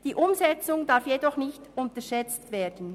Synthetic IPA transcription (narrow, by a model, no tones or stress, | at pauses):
d̥iːʔʊmzɛt͡sʊŋdaɾfjedɔχnɪçtʊntəʃɛt͡stveːdən̩